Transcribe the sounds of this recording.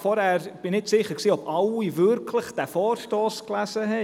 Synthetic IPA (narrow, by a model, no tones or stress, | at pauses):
fɔɾhɛɾb̥ɪnɪtsɪχəksiːɔbawivʏɾkʰləχd̥ɛfɔːrʃtɔːsklæzəɦɛ